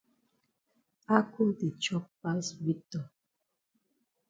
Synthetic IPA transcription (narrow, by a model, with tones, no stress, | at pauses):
a˦ku˦mti˨t͡ʃɔ˦p̚pa˦swi˦tɔ˨